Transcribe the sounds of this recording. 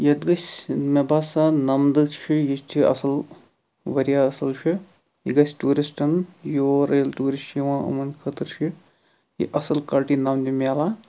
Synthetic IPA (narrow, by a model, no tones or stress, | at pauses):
jɐd̪ɡɐsʲmebaːsanɐmd̪ɨt͡ʃʰijist̪ʰiɐ̰sɐl | ʋɐɾijaːɐsɐlt͡ʃʰi | iɡɐsʲʈuːɾisʈɐnjoːɾeːlʈuːɾisʈiʋãːʔɐ̰mɐnkʰɐt̪ɨɾʃʰi | jḭʔɐsɐlkaːɾʈinɐmd̪imaːlaː